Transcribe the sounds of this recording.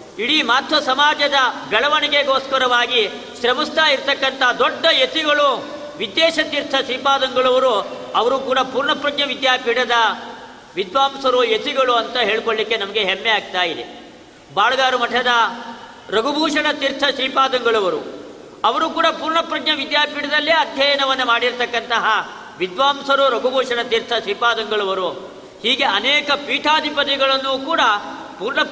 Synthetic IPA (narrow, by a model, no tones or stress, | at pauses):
iɽimaːt̪ʰʋɐsɐmaːd͡ʒɐd̪ɐɡɐɭɐʋɐniɡeɡoːskɐɾɐʋaːɡi | ʃɾɐmist̪aːiɾt̪ɐkːɐnt̪ʰɐd̪ɔɖːɐjet̪iɡɐɭu | ʋid̪ːeːʃɐt̪iɾt̪ʰːɐʃɾiːpaːd̪ɐŋɡɐɭɐʋɐɾuɐʋɐɾuːkuːɽɐpuːɾɳɐpɾɐɡɲɐʋid̪jaːpiɽɐd̪ɐ | ʋid̪ʋaːmsɐɾujet̪iɡɐɭuɐnt̪ɐɦe̞ːɭkoɭlikːe̞nɐmɐɡeɦemːɛaːɡ̚t̪aːjid̪ḛ | baːɭɐɡ̪aːɾumɐʈʰːɐd̪ɐ | ɾɐɡubʱuːʂɐɽɐt̪iɾt̪ʰɐʃɾiːpaːd̪ɐŋɡɐɭɐʋɐɾu | ɐʋɐɾukuːɽɐpuːɾɳɐpɾɐɡɲɐʋid̪jaːpiɽɐd̪ɐlːiɐd̪ʱjɐjɐnɐʋɐnːɐmaːɽiɾt̪ɐkːɐnt̪ɐɦɐ | ʋid̪ʋaːmsɐɾuɾɐɡubʱuːʂɐɽɐt̪iɾt̪ʰːɐʃɾiːpaːd̪ɐŋɡɐɭɐʋɐɾu | hiːɡe̞ɐnɛːkɐpiːʈʰaːd̪ʱipɐt̪iɡɐɭɐnːukuːɽɐ | puːɾɳɐ